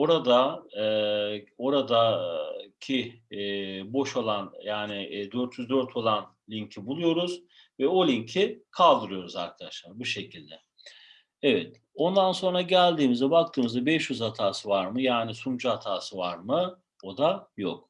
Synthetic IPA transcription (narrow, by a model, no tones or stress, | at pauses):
o̞ɾad̪a | o̞ɾad̪a | cʰi | bo̞ʃo̞lˠanjaːnɪd̪ø̞ɾt̪ʰjyzd̪ø̞ɾt̪ʰo̞lˠan | lʲiɲcʰibulˠujo̞ɾuz | vɛo̞lʲincʰikʰalˠd̪ɯɾɯjo̞ɾuza̰ɾkʰad̪aʃlˠaɾbuʃe̞cʰilʲd̪ɛ | evɛt̪ | o̞nd̪anso̞nɾaɟælʲd̪iːmizɛbak̚t̪ʰɯːmɯzd̪abɛʃjyzhat̪ʰaːsɯvaɾmɯjaːnisumd͡ʒuhat̪ʰaːsɯvaɾmɯ | o̞d̪ajok̚